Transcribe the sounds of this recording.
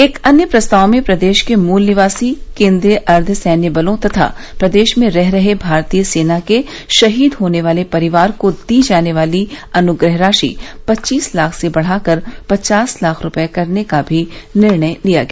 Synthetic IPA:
eːkɐnjəpɾɐst̪aːwmẽpɾɐd̪eːʃkemuːlnɪʋaːsikẽːnd̪ɾiʔɐɾd̪ʱsɛːnjəbəlõt̪ɐt̪ʰa̰ | pɾɐd̪eːʃmẽɾɛɦɾɐɦebʱaːɾt̪iːjəseːnake | ʃɐɦiːd̪ɦoːneʋaːlepɐɾɪʋaːɾkod̪iːd͡ʒaːneʋaːliɐnʊɡɾəɦɾaːʃḭpɐtːt͡ʃiːslaːkʰsebɐɽ̤aːkəɾpɐt͡ʃaːslaːkʰɾʊpekɐɾnekabʱinɪɾɳəjlija̰ːɡɐja

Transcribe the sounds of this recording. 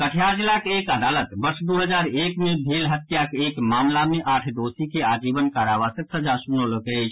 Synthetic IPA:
kəʈʰjad͡ʒlakekəd̪alət̪bəɾsd̪uɦəd͡ʒaɾekmebʱelɦət̪jakekmamlameʔaʈʰd̪osikead͡ʒibənkaɾaʋasəksəd͡ʒasunoləkɛt͡ʃʰ

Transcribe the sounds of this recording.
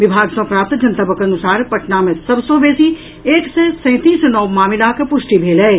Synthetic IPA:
ʋɪbʱaːɡsɐ̃pɾaːp̚t̪d͡ʒɐnt̪əbəkɐnʊsaːɾpɐʈnamẽsɐbsoːbeːsi | eːksesɛ̃ɪ̃t̪iːsnɔːʋmaːmɪlakepʊʃʈibʱeːlɛe

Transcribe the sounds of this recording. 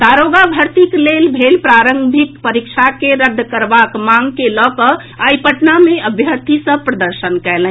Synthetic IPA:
d̪aɾoɡabʱəɾt̪iklelbʱelpɾaɾə̃ŋbʱikpəɾik̚t͡ʃʰakeɾəd̪ʱːkəɾbakmãŋɡkelɔkə | ajpəʈnameəbʱjəɾt̪ʰisə̃pɾəd̪əɾʃənkɛlɛ̃

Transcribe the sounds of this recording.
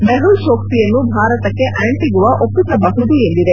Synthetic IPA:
beɦulʃoːk̚t̪ijɐnːubʱaːɾɐt̪ɐkːe̞ʔɐːɳʈiɡuʋɐʔopːit̪ɐbɐɦud̪ue̞nd̪id̪e

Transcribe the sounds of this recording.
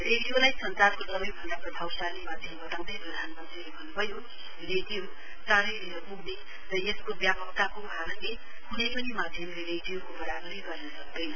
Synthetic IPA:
reɽijolajsʌnt͡sadkosʌbʌjbʱʌnd̪aprʌbʱawsanemad̪ʱjʌmbʌt̪aw̃nd̪ʌjprʌd̪ʱanmʌnt̪rilebʱʌnːubʱʌjo | reɖijo | t̪aɾikleɾʌpuɡne | rʌeskobjapʌk̚t̪akobʱaɾʌnle | hunepʌnimad̪ʱjʌmleɾeɖijokobʌɾaɡʌɾiɡʌɾnʌsʌk̚d̪ʌjnʌ

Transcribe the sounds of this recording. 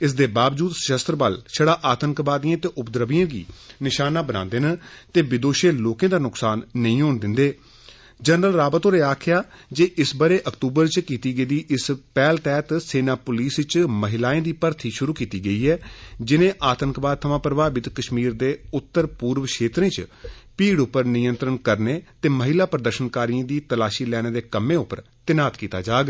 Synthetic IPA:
ɪsd̪eːbaːʋd͡ʒuːd̪səʃəst̪ɾbəlʃʰəɽaːʔaːt̪əŋkbaːd̪ijãːt̪eːʔʊpd̪ɾəʋijãːɡḭːnɪʃaːnaːbənã̰ːnd̪eːnət̪eːbɪd̪oːʃeːloːkẽːd̪aːnʊksaːnːəĩːɦoːnd̪ɪnd̪eː | d͡ʒənɾəlɾaːbət̪õːɾeːaːkʰɪjaːd͡ʒeːʔɪsbəɾeːʔəkt̪uːbəɾt͡ʃkiːt̪iːɡəid̪iːʔɪspɛːlt̪ɛːt̪seːnaːpʊliːsɪt͡ʃməɦɪlaːẽːd̪iːpəɾt̪ʰiːʃʊɾuːkiːt̪iːɡəiːɛːd͡ʒɪnẽːʔaːt̪əŋkbaːd̪̚t̪ʰəmãːpɾəbaːbɪt̪kəʃmiːɾd̪eːʊt̪ːəɾpuːɾʋʃeːt̪ɾẽːt͡ʃpiːɽʊpːəɾnɪjənt̪ɾənkəɾneːt̪eːməɦɪlaːpɾəd̪əɾʃənkaːɾiãːd̪iːt̪əlaːʃiːlɛːñeːd̪eːkəmẽːʊpːəɾ | t̪ɪnaːt̪kiːt̪a̰ːd͡ʒaːɡ

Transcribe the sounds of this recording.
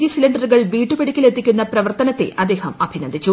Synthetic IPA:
iɐsilɐɳɖɐɾuɣɐɭʋiːʈːupeɽikʲːilet̪ːikʲːunːɐprɐʋɐrt̪ɐnɐt̪ːe̞̰ʔʔɐd̪ːe̞ːhɐmɐbʱinɐnd̪ʱit͡ɕːu

